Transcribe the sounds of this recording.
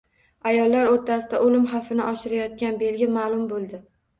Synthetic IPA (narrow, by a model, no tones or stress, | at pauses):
ajɒlˠːaɾoɾt̪ʰasɪd̪a̰ʔolɪmχafɪnɪʔɒʃɪɾajɒt̪̚kʲanbe̞lɡʲɪmaːlˠʊmbolˠd̪ɪ